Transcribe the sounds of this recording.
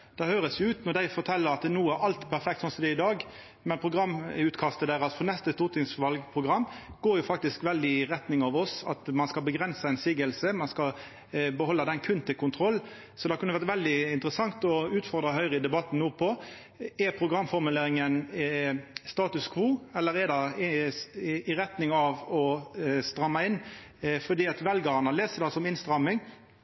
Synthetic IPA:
d̪̥ɛhøːɾəsjʊʉːt̪nɔʁd̪æɪfɔʁt̪ʰɛlːəɾɑt̪̚d̪nuːæɾɑlt̪pʰæɾfɛkt̪sɔnsɔmd̪ɛɪd̪ɑːɡ | mɛnpʰʁʊɡɾɑmːʉːt̪kʰɑst̪əd̪æːʁɑt̪fɔnɛst̪əst̪uːʁt̪ʰɪŋsʋɑlɡpʰʁʊɡɾɑmːɡ̥oːɾjʊfɑk̚t̪ɪskʋɛld̪ɪɪʁɛt̪nɪŋɑʋɔsɑt̪mɑnskɑbəɡɾɛnsɑɛɪnsiːɡəlsəmɑnskɑ | bəɦɔlːɑd̪ɛnkʰʉnt̪ʰɪlkʊnt̪ʰɾɔlː | sɔd̪ɛhɑkʉnːəʋæʁt̪ʋɛld̪ɪɪnt̪ɾəsɑŋt̪ɔʉːt̪fɔʁd̪ʁɑɦœʏʁəɪd̪ɛbɑt̪ːn̩nuːpʰɔ | ɛɾpʰɾʊɡʁɑmːfɔʁmʉleːɾɪŋən | st̪ɑːt̪ʉskʰʋuːɛlːəɾɛʁd̪ɑ | ɪɾɛt̪nɪŋɑʋɔst̪ɾɑmːɑɪnː | fɔd̪iːɑt̪ʋɛlɡɑʁɑnəleːsəd̪ɑsɔmɪnst̪ɾɑmːɪŋ

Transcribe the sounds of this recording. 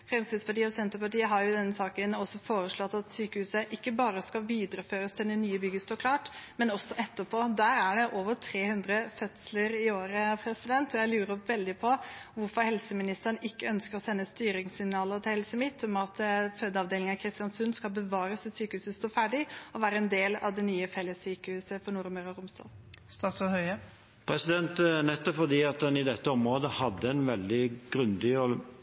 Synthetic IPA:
fɾɛmst̪id̪spɑʈiːəɔsɛnt̪əɾpɑʈiːəɦɑɾjʊɪd̪ɛnːəsɑːkənɔsɔfoːɾəʂɭɔt̪ːɑt̪syːkəhʉːsəʔɪkːəbɑːɾəskɑʋiːd̪ɾəføːɾəst̪ʰɪld̪ɛnyːəbʏɡəst̪oːɾkʰlɑːʈmɛnɔsːɔʔɛt̪ːəpʰoːd̪æːɾæɖɛʔoːʋət̪ʰɾeːhʉnd̪ɾəfœt̪sləɾɪoːɾəpʰɾɛsɪd̪ɛnt̪ɔjæɪlʉːɾəʋɛld̪ɪpʰɔʋʊɾfɔɾhɛlsəmɪnɪst̪əɳɪkːəœnskəɾɔsɛnːəst̪yːɾɪŋsɪɡnɑːlət̪ʰɪlhɛlsəmɪt̪ʰːɔmɑt̪føːd̪əɑʋd̪eːlɪŋɑkʰɾɪst̪ɪjɑnsʉnːskɑlbəʋɑːɾəsɔsyːkəhʉːsəst̪oːfæːɖɪɔʋæːɾəɛnd̪eːlɑ̰ʋd̪ɛnyːəfɛlːəsyːkəhʉːsəfɔɳʊɾməɾɑɾʊmst̪ɑ̰ːl | st̪ɑːsɔhœʏə | pʰɾɛsɪd̪ɛnt̪nɛt̪ːɔpfɔd̪iːɑt̪ɑnɪd̪ɛt̪ːəɔmɾoːd̪əhɑd̪ːəɛnʋɛld̪ɪɡɾʉnd̪ɪɔ

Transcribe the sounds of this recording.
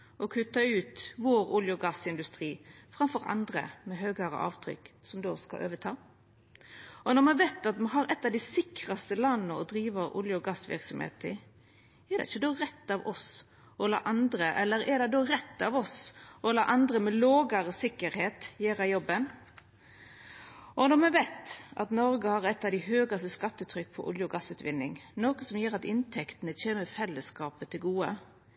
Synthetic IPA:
ʔɔkʰʉt̪ːɑʉːt̪ʋoːɾʊljʊɡɑsɪnd̪ʉst̪ʁiːfɾɑmfɔɾɑ̰nd̪ɾə̰mɛɦøːɡɑɾə̰ʔɑ̰ːʋt̪ʰɾʏ̰kːsɔmd̪oːskɑ̰ʔø̰ːʋət̪ʰɑː | ʔɔnɔɾmɑnʋet̪ɑt̪mɑɦɑɾɛt̪ːɑʋd̪ɪsɪkɾɑst̪əlɑnːəɔd̪ɾiːʋəɾʊ̰ljəɡɑsːʋɪ̰ɾksɔmhḛːt̪ə | ɛɾd̪ɛ̰ɪçːəd̪oːʁɛt̪ːɑʋɔs | ɔlɑ̰ːʔɑnd̪ɾəʔɛlːəɾɛd̪ɛd̪oɾɛt̪ːɑʋɔsʔɔlɑ̰ːʔɑnd̪ɾəmɛloːɡɑɾəsɪkːəɾheːt̪jeːɾɑjɔbːən | ʔɔnɔmɛnʋɛt̪ɑ̰t̪nɔɾɡəhɑːʁɛt̪ːɑʋd̪ɪɦøːɡɑst̪əskɑt̪ːət̪ʰɾʏkːpʰɔ̰ʔʊ̰ljəɔɡɑsʉːt̪ʋɪnːɪ̰ŋnoːkəsɔmjøːɾɑt̪ɪnt̪ʰɛkt̪ənət͡ʃeːnəfɛlːəskɑːpət̪ʰɪlɡuːə

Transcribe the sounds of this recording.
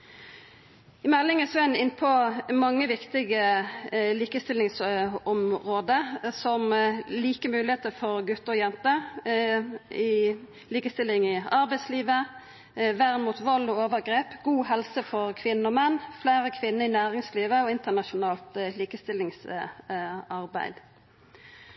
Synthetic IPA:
ɪmɛlːɪŋəsɔænɪnːpʰɔmɑŋːəʋɪkt̪ɪɡə | liːkəst̪ɪlːɪŋsɔmʁoːd̪əsɔmliːkəmʉːlɪheːt̪əfɔʁɡʉt̪ːəʁɔjɛnt̪ə | ɪ | liːkəst̪ɪlɪŋɪɑʁbæɪsliːʋə | ʋæʁmuːt̪ʋɔlːɔoːʋəʁɡɾeːpɡuːɦɛlsəfɔʁkʰʋɪnːəɔmɛnːflæːɾəkʰʋɪnːəɪnæːʁɪŋsliːʋəɔɪnt̪ənɑʃʊnɑːlt̪liːkəst̪ɪlːɪŋs | ɑʁbæ̰ɪd̪

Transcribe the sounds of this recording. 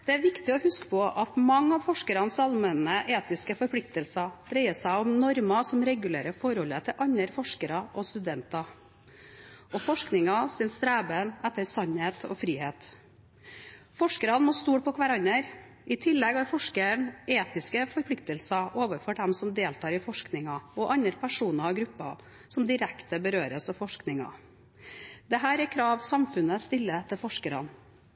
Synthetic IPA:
d̪̥ɛæɾʋɪkt̪ɪɔhʉskə̥pʰɔʔɑt̪mɑŋːɑʋfɔʂkəɾɑnsɑlmɛnəʔeːt̪ɪskəfɔɾpʰlɪk̚t̪əlsɑd̪̥ɾɛɪəsæɪɔmnɔɾmɑsɔmɾɛɡʉlḛːɾəfɔɾhɔlːət̪ʰɪlʔɑɲːəɾfɔʂkəɾɑʔɔst̪ʉd̪ɛnt̪ɑ | ɔfɔʂknɪŋɑsɪnst̪ɾæːbənæt̪ːəɾsɑnheːt̪ʰɔ̰fɾiːheːt̪ | fɔʂkəɾɑnmɔːst̪uːʈ̚pʰɔkʰʋæɾɑnːəɾ | ɪt̪ʰɪlːɛɡhɑɾfɔʂkəɳeːt̪ɪskəfɔɾpʰlɪk̚t̪əlsɑʔoːʋəfɔɖɛmsɔmd̪eːlt̪ʰɑːɾɪfɔʂknɪŋɑɔʔɑnəɾpʰæʂuːnɑɑɡɾʉpːɑ̰ | sɔmd̪ɪɾɛkt̪əbəɾøːɾəsɔfɔʂknɪŋɑ̰ | d̪̥ɛɦæːɾɛɾkʰɾɑːʋsɑmfʉnəst̪ɪlːət̪ʰɛlfɔʂkəɾɑ̰n

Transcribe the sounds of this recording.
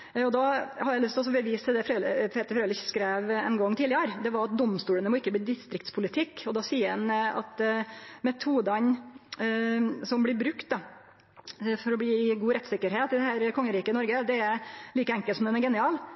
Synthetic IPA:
ɔd̪ɑːhɑɾjæɪlʏst̪ʰlɔsɔbəʋiːsəd̪ɛfɾøːlpʰeːt̪əɾfɾøːlɪçskɾeːʋɛ̰nɡɔŋːt̪ʰiːlɪəɾd̪ɛʋɑɾɑt̪̚d̪ɔmst̪uːlənəmɔɪkːəbliːd̪ɪst̪ɾɪkt̪spʰʊlɪt̪ʰɪkːɔd̪ɑsiːəɾɛnɑ̰t̪mɛt̪ʰuːd̪ɑn | sɔmblɪbɾʉkt̪̚d̪ɑ | fɔɾɔbliːɪɡuːɾɛt̪ːsɪkːəɾɦeːt̪ɪd̪ɛhæːɾkʰɔŋːəɾiːkənɔɾɡəd̪ɛæɾliːkəɛŋkəlsɔmd̪ɛnɛɾɡɛnɪɑːl

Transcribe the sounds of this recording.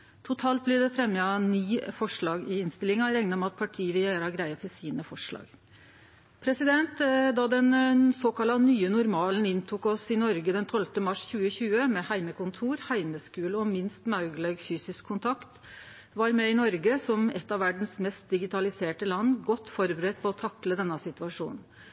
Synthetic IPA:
t̪ʰʊt̪ʰɑːlt̪̚blɪd̪ɛfɾɛmːəɑniːfɔʂɭɑːɡɪɪnst̪ɪlɪŋɑɾɛŋnəɔmɑt̪̚pʰɑʈʰiːəʋɪjæɾɑɡɾæɪəfɔsiːnəfɔʂɭɑ̰ːɡ | pʰɾɛsɪd̪ɛnt̪d̪ɑd̪ɛnsoːkɑlɑnyːənʊɾmɑːlənɪnt̪ʰʊkɔsɪnɔɾɡəd̪ɛnt̪ʰɔlft̪əmɑʂçʉːəçʉːəmɛhæɪməkʰʊnt̪ʰuːɾhæɪməskʉːləɔmɪnst̪mɑʉɡlɛɡfyːsɪskʰːʊnt̪ʰɑkt̪ | ʋɑɾmɛɪnɔɾɡəsɔmɛt̪ːɑʋæɖɳ̩smɛst̪̚d̪ɪɡɪt̪ʰɑlɪseːʈəlɑnːɡɔt̪ːfɔɾbəɾɛt̪̚ːpʰɔɔt̪ʰɑkləd̪ɛnːɑsɪt̪ʉɑʂṵːnn̩

